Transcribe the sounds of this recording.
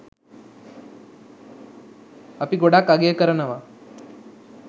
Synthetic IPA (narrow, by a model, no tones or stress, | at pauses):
əpiɡoɽakaɡekəɾənaʋa